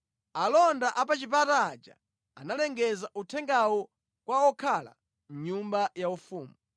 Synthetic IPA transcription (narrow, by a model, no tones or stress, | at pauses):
alɔndaʔapat͡ʃip̬ataːd͡ʒa̰ | analɛŋɡɛzaʔutʰɛŋɡawɔ | kwaɔkʰala̰ | m̩ɲumbajaufuːmu